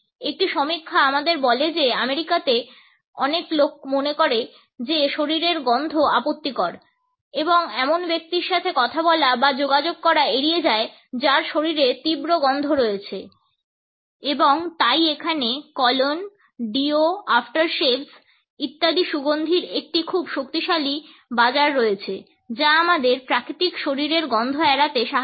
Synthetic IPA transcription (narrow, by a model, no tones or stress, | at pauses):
ek̚ʈiʃɔmikʰːaamad̪eɾbɔled͡ʑeameɾikat̪e | ɔ̰neklok̚monekoɾe | d͡ʑeʃoɾiɾeɾɡɔnd̪ʱoapot̪ːikɔɾ | eboŋɛmonbek̚t̪iɾʃat̪ʰekɔt̪ʰabɔlabad͡ʑoɡad͡ʑoɡ̚kɔɾaeɾied͡ʑae | d͡ʑaɾʃoɾiɾet̪ibɾoɡɔnd̪ʱoɾoet͡ɕʰe | eboŋt̪ajekʰanekɔlon | ɖioafʈaɾʃels | it̪ːad̪iʃuɡond̪ʱiɾek̚ʈikʰubʃokt̪iʃali | bad͡ʑaɾːoet͡ɕʰe | d͡ʑaamad̪eɾpɾakɾit̪ikʃoɾiɾeɾɡɔnd̪ʱoɛɾat̪eʃaɦ